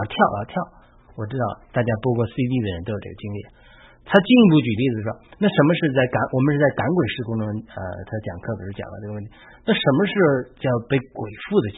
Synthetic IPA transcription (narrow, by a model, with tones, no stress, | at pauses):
t̪ʰjɑ˥˩ʊə̰˧˩t̪ʰjɑ˥˩ʊ | wɔ˨˩ʈ͡ʂɻ̩˥t̪ɑ˥˩ʊt̪a˥˩t͡ɕja˥pwɔ˥kwɔ˥˧sɹ̩˥i˥t̪i˥˩d̪ə˩ɻə˧˥nt̪o˥jʈ͡ʂɡə˩t͡ɕi˥ŋli˥˩ | t̪ʰa˥t͡ɕi˥˧ni˧˥p̬u˥˩t͡ɕy˨˩li˥˩d̪ə˩ʂʂwɔ˥na˥˩ʂə˧˥nmə˧ʂɻ̩˥˧t͡sa˥˩ɪka˧˥ŋwɔ˨˩mə˦ʂɻ̩˥˩t͡sa˥˩ɪka˧˥nkwe˨˩ɪʂɻ̩˥˩kʊ˥ŋʈ͡ʂʊ˥ŋə̰˧t̪ʰa˥˧t͡ɕjɑ˨˩ŋkʰɤ˥˩pi˨˩˥t͡ɕj̰ɑ̰˨˩ŋlə˧˦ʈ͡ʂwə˥˩nt̪ʰi˧˥ | na˥˩ʂə˧˥nmə˧ʂɻ̩˥˧t͡ɕjɑ˥˧ʊpe˥˩ɪkwe˨˩ɪfu˥˩d̪ə˩